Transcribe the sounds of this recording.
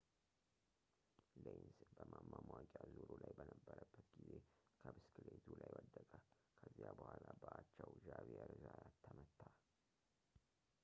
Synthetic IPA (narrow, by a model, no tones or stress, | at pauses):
lensbəmamːamwakʼjazuɾulajbənəbːəɾəbːət̪ɡizekʰəbɨskʰɨlet̪ʰulajwɔd̪ːəkʼə | kʰəzijabəhʷalabəʔat͡ʃːɛwʒaβiɛɾɨzaat̪ʰːəmət̪ʰːa